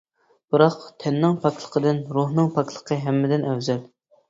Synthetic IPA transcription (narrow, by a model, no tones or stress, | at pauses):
b̥ɨɾɑqt̪ʰɛnːɪŋpʰɑkʲlˠə̥qʰəd̪ɨnɾuɦnɨŋpʰɑkʲʰlˠə̥qʰəɦɛmːɪd̪ɪnɛwzɛl